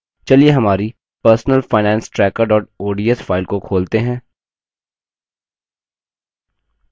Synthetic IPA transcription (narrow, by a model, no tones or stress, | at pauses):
t͡ʃɐlieɦɐmaːɾi | pəɾsnəlfaːɪnɛ̃ːnsʈɾɛːkəɾɖɔːʈ̚oːɖiːɛsfaːɪlkokʰoːlt̪eɦɛ̃ː